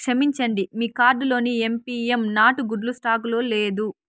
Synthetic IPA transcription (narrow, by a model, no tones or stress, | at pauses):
ʂɐmiɲt͡ʃɐɳɖimiːkaːɾɖulo̞ːnie̞mpiːemnaːʈuɡuɖlusʈaːkulo̞ːle̞ːd̪u